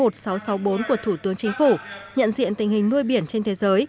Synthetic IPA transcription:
o˨˩t̚sa˨˦wsa˨˦wɓo˨˦nku˧˩ət̪ʰu˧˩t̪ɨ˨˦əŋt͡ɕï˨˦ŋ̟fu˧˩ɲə̰˧˨nzḭ˧˨ənt̪ï˨˩ŋ̟hï˩ŋ̟nu˧əjɓi˧˩ənt͡ɕe˧nt̪ʰe˨˦zəː˨˦j

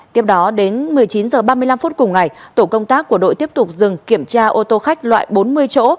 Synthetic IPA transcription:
t̪i˦˥əp̚ɗɔ˨˦ɗe˨˦nmɨ˨˩əjt͡ɕi˨˦nzəː˨˩ɓaː˧mɨ˧əjla˧mfu˦˥t̚kʊ˨˩ŋ͡mŋa˨˩jt̪o˧˩kə˧wŋ͡mt̪aː˦˥kːu˧˩əɗo̰˧˨jt̪i˦˥əp̚t̪ʊ˨˩k͡p̚zɨ˨˩ŋki˧˩əmt͡ɕaː˧ʔo˧t̪o˧xa˦˥jk̟̚lwa̰ː˧˨jɓo˨˦nmɨ˧əjt͡ɕo̰˧˥

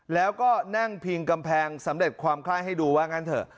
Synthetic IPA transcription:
lɛː˦˥wkɔː˥˩na˥˩ŋpʰi˧ŋka˧mpʰɛː˧ŋsa˩˦mɾe˨˩t̪̚kʰwaː˧mkʰlaː˥˩jɦa˥˩jduː˧waː˦˥˩ŋa˦˥nt̪ʰɤː˧˩

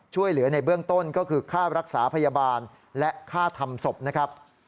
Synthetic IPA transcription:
t͡ɕʰu˥˩əjlɯ˩˦ɐna˧jbɯ˥˩əŋt̪o˥˩nkɔː˥˩kʰɯː˧kʰaː˥˩ɾa˦˥k̚sa̰ː˩˦pʰa˧jaː˧baː˧n | lɛ˦˥ʔkʰaː˥˩t̪ʰa˧mso˨˩p̚na˦˥kʰɾa˦˥p̚

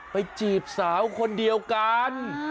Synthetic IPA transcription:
pa˧jt͡ɕiː˨˩p̚saː˩˦˥wkʰo˧ndi˧əwka˧n

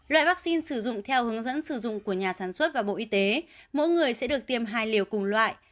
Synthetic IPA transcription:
lwa̰ː˧˨jva˦˥k̚si˧nsɨ˧˩zʊ̰˧˨ŋ͡mt̪ʰɛ˧whɨ˨˦əŋzə̰˧˥nsɨ˧˩zʊ̰˧˨ŋ͡mku˧˩əɲaː˨˩saː˧˩nswə˦˥t̚vaː˨˩ɓo̰˧˨ʔi˧t̪e˨˦mo̰˧˥jŋɨ˨˩əjsɛ̰˧˥ɗɨ˨˩ək̚t̪i˧əmɦaː˧jli˨˩əwkʊ˨˩ŋlwa̰ː˧˨jʔ

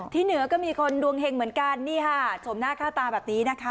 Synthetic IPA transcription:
t̪ʰiː˥˩nɯ˨˩˦kɔː˥˩miː˧kʰo˧ndu˧əŋɦe˧ŋmɯ˩˦ənka˧nːiː˥˩kʰa˥˩sʰo˩˦mnaː˥˩kʰaː˥˩t̪aː˧bɛː˨˩p̚niː˦˥na˦˥kʰa˦˥

